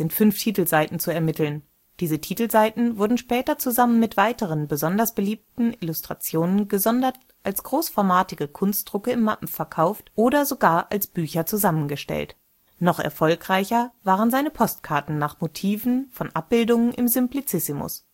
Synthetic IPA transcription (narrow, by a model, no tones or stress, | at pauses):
z̥ɪntfʏnftʰiːtl̩zaɪtn̩t͡suɛɐmɪtl̩n | d̥iːzətʰiːtl̩zaɪtn̩vʊɐdn̩ʃpɛːtɐt͡suzamənmɪtv̥aɪtəʁ̞ənbəzɔndɐsb̥əliːp̚tn̩ɪlustʁ̥a̰t͡sjoːnənɡəzɔndɐt | ʔalsɡ̥ʁoːsfɔɐmaːtɪɡəkʰʊnst̚d̥ʁʊkəɪmːapm̩fɛɐkʰaʊftʔoːdɐzoɡaːɐʔalsb̥yːçɐt͡suzamənɡəʃtɛ̰lt | nɔχʔɛ̰ɐfɔlkʁ̥aɪçɐvaːʁənzaɪnəpʰɔstkʰaɐtn̩naːχmotʰiːvn̩fɔnʔa̰p̚b̥ɪldʊŋənʔɪmzʏmplit͡sɪsɪmʊ̰s